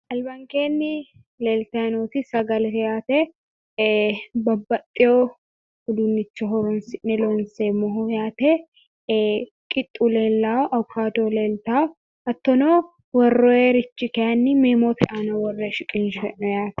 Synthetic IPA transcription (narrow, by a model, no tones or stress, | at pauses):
ʔɐlbɐŋkeːnːɪ | leːlt̪ɐɐnuːt̪ɪsɐɡɐlɛjaːt̪e | bɐbːɐt̪ʼːɪjo | hʊd̪unːɪt͡ʃːɐɦɔɾɔnsɪʔnɛloːnseːmɔɦʊjaːt̪e | kʼɪt̪ʼːuleːlːaːwɔʔɐkʰaːd̪oːleːlt̪aːwɔ | ɐt̪ːɔnoː | wɐrːɔeːɾɪt͡ʃːɪkɛjɐnːɪmeːmoːt̪ɛʔanɐwɔrːɛʃɪkʼɪnʃɛʔɔjaːt̪ɐ̥